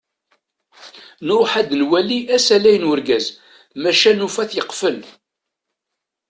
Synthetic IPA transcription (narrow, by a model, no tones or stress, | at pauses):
nʊɾħad̪nwæliʔæsælæjənwʊɾɡæz | mæʃænufæθjəqːfəl